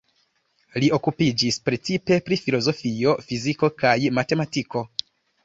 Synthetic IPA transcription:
lio̞kupid͡ʒispɾe̞t͡sipe̞pɾifilo̞zo̞fio̞fiziko̞kajmate̞matiko̞

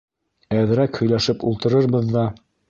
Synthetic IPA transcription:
æðɘ̆ɾækhɵ̆jlæʃɘpulˠt̪ɤ̆ɾɤɾbɤðːɑ

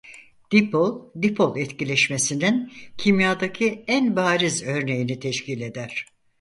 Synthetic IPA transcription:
d̪̥ipolˠd̪ipʰolˠɛt̪cilʲɛʃmesinincʰimjad̪acʰiænbaːɾizø̞ɾne̞jinit̪ʰɛʃcilʲe̞d̪æɾ̥

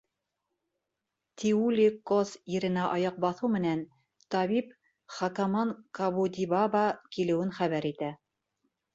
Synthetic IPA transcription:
t̪ʲʰiulʲikosiɾɘ̆næʔɑjɑq̚bɑθɤwmɘ̆næn | t̪ɑβip | χɑkɑmɑŋkɑβud̪ʲibɑbɑkilɘ̆wɘnχæβæɾit̪æ

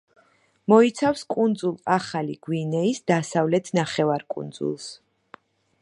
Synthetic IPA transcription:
mɔit̪sʰafskʼund̪zulˠaχaliɡ̥winɛisd̪asavlɛt̪ʰnaχɛvaɾkʼṵnd̪zṵlˠs

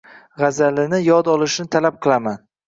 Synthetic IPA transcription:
ʁazalɪnɪjɒd̪ɒlˠɪʃnɪt̪ʰalap̚qʰɨlˠaman

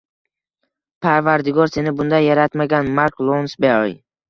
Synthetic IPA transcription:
pʰaɾvaɾd̪ɪɡɒɾse̞nɪbʊnd̪ajːaɾat̪maɡʲanmaɾklˠonsbeoj

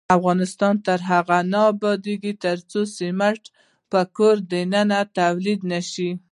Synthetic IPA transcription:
afɣɑnɪst̪ɑnt̪əɾɦaɣanɑbɑd̪eɡit̪əɾt͡sosimaʈ | pəkoɾd̪ənənat̪awlid̪naʃi

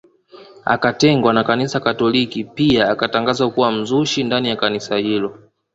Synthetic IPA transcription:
a̰katɛŋɡwanakanisakatɔlikipiaːkataŋɡazakuwam̩zuʃindanijakanisahilɔ

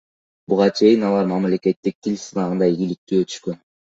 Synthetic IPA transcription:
buʁɑt͡ʃʰe̞jinɑlˠɑɾmamle̞ke̞t̪ːik̚t̪ʰilʲsɯnɑʁɯnd̪ɑiɡilik̚t̪yːøt̪ʰy̥ʃkøn

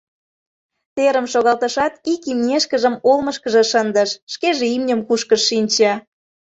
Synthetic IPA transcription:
t̪eɾəmʃoɣɑlt̪əʃɑt̪ikimnʲeʃkəʒəmolməʃkəʒĕʃənd̪əʃːkeʒeimnʲəmkuʃkəʃːinʲt͡ɕɑ

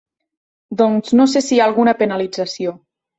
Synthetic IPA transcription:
d̪ɔŋznos̬esiaːlˠɣunəpənalid͡zəsio

